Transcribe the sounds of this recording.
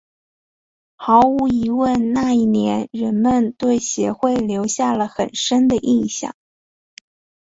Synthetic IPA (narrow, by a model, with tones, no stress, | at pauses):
xɑ˧˥ʊu˧˥i˧˥wə˥˧nna˥˧i˥˩njɛ˧˥nɻə˧˥nmə˧nt̪we˥˩ɪɕjɛ˧˥xwe˥˩ɪljo˧˥ʊɕja˥˩lə˩xə˨˩nʂə˥nd̪ə˨ʔi˥˩nɕjɑ̰˨˩˦ŋ